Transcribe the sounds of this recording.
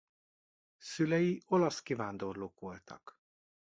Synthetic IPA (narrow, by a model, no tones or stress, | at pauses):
sylɛjio̞lɒskivaːnd̪o̞rloːkʋo̞lt̪ʰɒ̰k